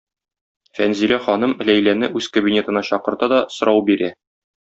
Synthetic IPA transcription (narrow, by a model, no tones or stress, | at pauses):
fænzilæχɒnɤmɘ̆læjlænɘʔʉz̥kɐbʲinʲe̞t̪ɤ̆nɑɕɒqɤ̆ɾt̪ɑd̪ɒsŏɾʔɑwbiɾæ